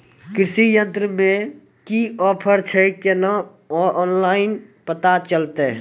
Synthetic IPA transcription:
kɾɪsijənt̪ɾəmẽkiɔpʰəɾt͡ʃʰəjkenaɔnlaɪnpət̪at͡ʃəlt̪e

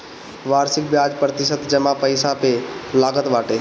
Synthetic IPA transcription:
ʋaːɾsɪk̚bjaːd͡ʒpɾət̪ɪsət̪d͡ʒəmãpəjɪsapelaːɡət̪ʋaːʈeː

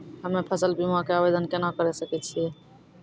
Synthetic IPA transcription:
ɦəmnepʰəsəlbimakeabed̪ənkenakəɾesəkɛt̪t͡ʃʰiɛ

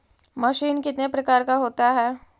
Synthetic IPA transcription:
mɐʃiːnkɪt̪nepɾɐkaːɾkaɦoːt̪aɦɛː

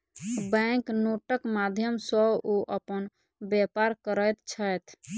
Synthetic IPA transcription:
bɛ̃ŋknoʈəkmad̪ʱjəmsəbuʔəpən | bjepaɾkəɾəjt̪t͡ʃʰəjt̪ʰ

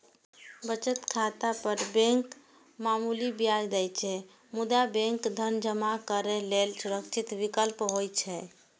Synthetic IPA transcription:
bət͡ʃət̪kʰat̪apəɾbẽŋk | mamulibjajd̪ɛjt͡ʃʰɛ | mud̪abẽŋkd̪ʱənd͡ʒəmakəɾɛlelsuɾəkt͡ʃʰit̪ʋikəlpɦojt͡ʃʰɛ

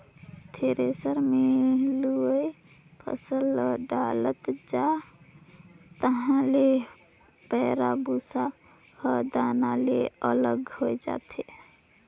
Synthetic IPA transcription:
t̪ʰeɾesəɾmeɦluəj | pʰə̰səlːəɖalət̪d͡ʒa | t̪əɦãle | pəɾabusa | həd̪analeələɡhod͡ʒa̰t̪ʰe

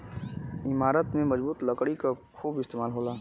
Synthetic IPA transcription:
ɪmaːɾət̪mẽmɐd͡ʒbuːt̪ləkɽikakʰuːbɪst̪eːmaːlɦoːlaː

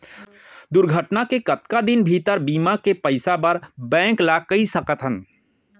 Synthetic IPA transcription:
d̪ʊɾɡʱəʈnakekɐt̪kad̪ɪnbʱiːt̪əɾbiːmakepəɪsapəɾbɛ̃ːŋklakəisəkət̪ɦən

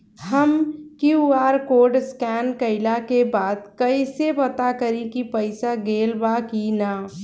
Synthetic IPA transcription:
həmkjuaːɾkoːɖskɛːnkəɪlakebaːd̪kəisepət̪akəɾĩkipəɪsaɡeːlbakina

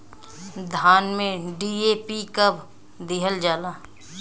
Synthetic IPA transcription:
d̪ʱaːnmẽɖieːpikəb | d̪iɦəld͡ʒaːlaː

